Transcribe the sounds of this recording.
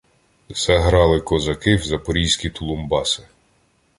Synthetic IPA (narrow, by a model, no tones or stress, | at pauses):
sɛɦɾɑlˠɪkɔzɐkɪwzɐpɔɾʲijsʲkʲit̪ʰʊlˠʊmbɑsɪ̥